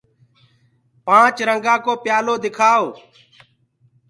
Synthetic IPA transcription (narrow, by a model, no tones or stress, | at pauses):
pãːt͡ʃɾəŋɡãːkoːpjaːloːd̪ɪkʰaːoː